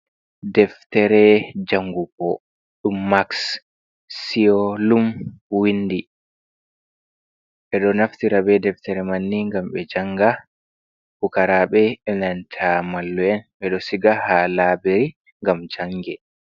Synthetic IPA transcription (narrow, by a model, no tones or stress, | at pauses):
dɛftɛɾɛd͡ʒaŋɡukɔ | ɗumːaks | siɔlumwindi | ɓɛɗɔnaftiɾabɛdɛftɛɾɛmanːiŋɡamɓɛd͡ʒaŋɡa | fukaɾaɓɛɛnantʰamalːuɛnɓɛɗɔsiɡahalabeɾi | ŋɡamd͡ʒaŋɡɛ